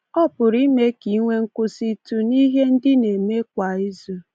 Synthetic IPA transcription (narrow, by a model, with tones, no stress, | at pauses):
ɔ˦pʊ˨ɾi˦me˦ki˨˦ŋʷe˦ŋ̩˦kʊ˦si˦tu˦ni˦ɦe˦n̩˦dɪ˦ne˨me˦kʷa˨i˦zu˦